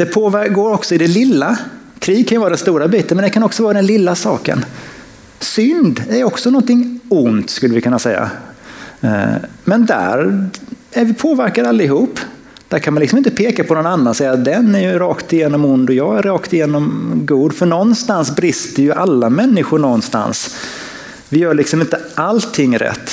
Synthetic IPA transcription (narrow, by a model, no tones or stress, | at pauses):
d̪̥ɛpʰoːvæɡoːɾɔksɔɪd̪ɛlɪlːa | kʰɾiːɡ̚kʰanjʏvɑːɾadɛnst̪uːɾabiːt̪ənmɛnd̪ɛkʰanɔksɔvɑːɾad̪ɛnlɪlːasɑ̰ːkə̰n | sʏnd̪æjɔksɔnɔnt̪ɪŋːʊnt̪skɵlːəvɪkʰɵnːasɛjːa̰ | mɛnd̪æ̰ɾ | æɾvɪpʰoːvæɾkaɾalːɪɦuːpː | d̪̥æɾkʰanmanlksɔmɪnt̪əpʰeːkapʰɔnɔnanːansɛjːad̪ɛnæɾjɵɾɑːkt̪ɪjeːnɔmʊnd̪ɔjɑːɡæɾːɑːkt̪ɪjeːnɔmɡuːd̪fœɳɔnːst̪ansbɾɪst̪əɾjɵʔalːamɛnːɪɧʊɳɔnːst̪a̰ns | vɪjœːɭɪksɔmɪnt̪əʔalt̪ʰːɪŋːɾɛ̰t̪ː